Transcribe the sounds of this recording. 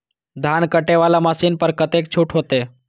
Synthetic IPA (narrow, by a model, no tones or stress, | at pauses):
d̪ʱankəʈeʋalamasiːnpəɾkət̪ek̚t͡ɕʰuːʈʰɦot̪e